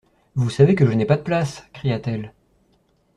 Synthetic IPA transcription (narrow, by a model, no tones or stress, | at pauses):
vusavekəʒənɛpad̪əplaskχijat̪ɛl